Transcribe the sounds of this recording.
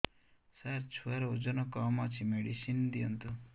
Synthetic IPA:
saɾt͡ʃʰuaɾod͡ʒɔnɔkɔmɔt͡ʃʰimeɽisind̪iɐnt̪u

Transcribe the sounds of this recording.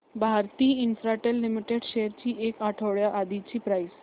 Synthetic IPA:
bʱaɾt̪iːinsɾaʈelːimiʈeɽɕejəɾt͡ɕiːʔekaʈʰəʋɭjaʔad̪it͡ɕiːpɾais

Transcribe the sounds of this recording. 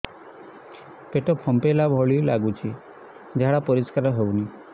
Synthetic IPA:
peʈɔpʰɔmpelabʱɔɭilaɡut͡ʃʰi | d͡ʒaɽapɔɾiskaɾɔɦewni

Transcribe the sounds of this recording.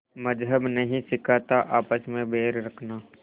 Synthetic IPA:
mɐd͡ʒɦəbnɐɦĩsɪkʰaːt̪aʔaːpəsmẽbʱeːɾɾɐkʰnaː

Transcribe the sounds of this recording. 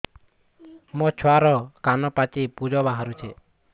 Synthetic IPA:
mɔt͡ʃʰwaɾɔkanɔpat͡ʃipud͡ʒɔbaɦaɾut͡ʃʰe

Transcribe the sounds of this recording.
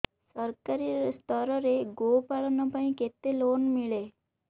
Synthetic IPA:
səɾkaɾist̪ʰəɾəɾeɡopaɭɔnɔpaɳĩket̪elonmiɭe

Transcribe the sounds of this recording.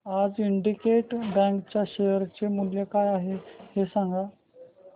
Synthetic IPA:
ad͡ziɳɖikeʈbɛ̃ŋkt͡ɕjaɕejəɾt͡ɕemuljəkajaɦehesãŋɡa

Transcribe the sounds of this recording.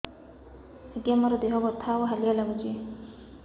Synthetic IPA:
etiamɔɾɔd̪eɦɔɡɔt̪ʰawɦalialaɡut͡ʃʰi

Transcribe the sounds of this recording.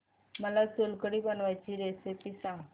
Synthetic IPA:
məlasolkəɽibənʋajt͡ʃʰiɾesepisã

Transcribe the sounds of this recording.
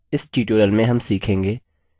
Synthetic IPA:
ɪsʈiːʈoːɾəlmẽɦɐmsiːkʰẽːŋɡeː

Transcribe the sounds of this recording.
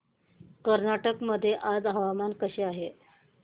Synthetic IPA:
kəɾnaʈəkməd̪ʱːjeʔad͡zɦaʋamankəɕeːaɦe

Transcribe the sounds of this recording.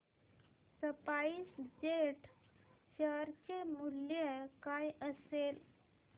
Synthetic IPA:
səpaiːsd͡ʑeʈ | ɕəɾt͡ɕemuljəkajəsel

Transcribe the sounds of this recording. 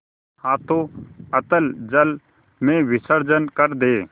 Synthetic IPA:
hãːt̪oːət̪əld͡ʒəl | mẽːʋɪsəɾd͡ʒənkəɾd̪eː

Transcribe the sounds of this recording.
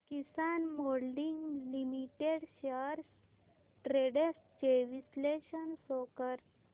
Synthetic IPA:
kisanmolɖiŋɡlimiʈeɽɕəɾs | ʈɾeɽes | t͡ɕeʋisleɕənsokəɾ

